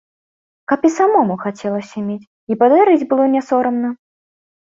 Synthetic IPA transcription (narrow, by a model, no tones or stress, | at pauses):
kɐpisamɔmuxat͡sʲɛlˠɐsʲɐmʲet͡sʲ | ipad̪aɾɨd͡zʲbɨlˠɔnʲɛsɔɾɐmnɐ